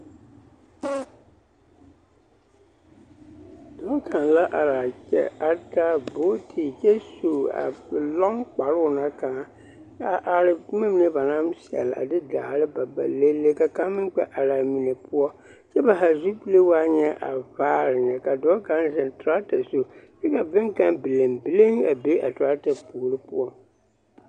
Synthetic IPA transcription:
d̥ɔ˦kʰa˨nla˦ʔa˨ɾa˨t͡ʃɛ̰˦a˦ta˦bo˦tʰi˨t͡ʃɛ˦su˨a̰˨lɔ˦ŋk͡pa˨ɾʊ˦˨na˦ka˨ŋa˦ | a˨ʔa˨ɾɪ˨˦mɪ˦m˦nɪ˦ba˨na˦msɛ̰˨la̰˨dɪ˦da̰ː˨ɾɪ˦ba˨ba˨le˦lːe˦ka˨ka˦mɪ˦n˦k͡pɛ̰˦ʔa˨la˨mi˨ne˨pʊ˦ɔ˦ | t͡ʃɛ˦ba˨ɦa˨zu˦pi˦le˦waː˦ɲɛ˦ʔa̰˨vaː˦ɾɪ˨nɛ˨ka˨dɔː˦ka˦n˦zɛ˨ntʊ˨ɾa˦tɛ˨so˦t͡ʃɛ˦ka˨bɪ˦ŋka˦nbi˨le˨mbi˨le˦ŋa˨be˦a̰˨tɾa˦ta˨puː˨ɾɨ˦pʊ̰˦ɔ˦

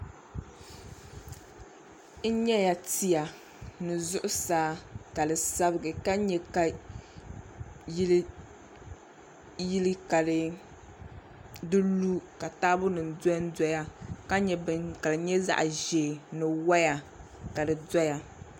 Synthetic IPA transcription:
n̩˦ɲɛ˦ja˨ti˦ja˨ | nɨ˨zʊ˦ʔʊ˦saː˦ka˨dɨ˨sa˦bɨ˨ɡɨ˨ka˦ɲɛ˦ka˨ | ji˦lɨ˦ | ji˦lɨ˦ka˨lɨ˨ | dɨ˦lu˦ka˨taː˦bʊ˦nɨ˨n̩˨dɔ˦n˦dɔ˦ja˦ka˦ɲɛ˨ka˨lɨ˨ɲɛ˦za̰˦ʔʒeː˨nɨ˨wa˦ja˨ | ka˨dɨ˨dɔ˦ja˦

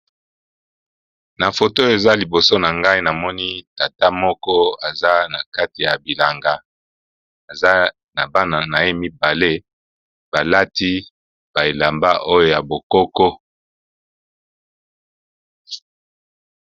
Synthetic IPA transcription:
na˨fo˨to˦e˨za˦li˨bo˨so˦na˨ŋɡa˦i˦na˨mɔ˦ni˦ta˨ta˦mɔ˦kɔ˦a˨za˦na˨ka˦ti˨ja˨bi˨la˨ŋɡa˦ | a˨za˦ | na˨ba˦na˨na˨je˦mi˦ba˨le˦ | b̥a˨la˦ti˦ | b̥a˨e˨la˨mba˦ʔo˦jo˦ja˨bo˨kɔ˦kɔ˦

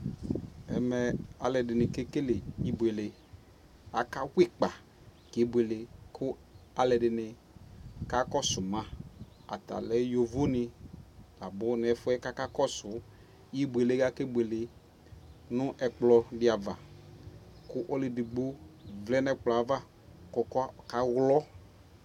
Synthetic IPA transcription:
ɛ˨mɛ˨a˨lɛ˨dɪ˨nɪ˨ke˦ke˦le˨i˦bu˨e˨lɪ˨ | a˨ka˦wɪ˦k͡pa˨ | kɪ˨˦bwe˨lɪ˨kʰʊ˦a˨lɛ˨dɪ˨nɪ˨ | ka˦kɔ˦sʊ˨mã˦ | a̰˨ta̰˨lɛ˦jo˨vo˦nɪ˨la˨bʊ˦n˨ɛ˨fʊ˦ɛ˦ka˦ka˦kɔ˦sʊ˨˦ | ji˦bu˨e˨le˦ɡa˦ke˦bu˨e˨lɪ˨ | nʊ̃˦ʔɛ˨k͡plɔ˧dɪ˦a˨va˨ | kʊ˦ʔɔ˦lɪ˨di˨ɡ͡bo˦vlɛ˦nɛ˦k͡pla˨˦va˦ | kɔ˨˦kɔ˦ka˦ɣlɔ˦

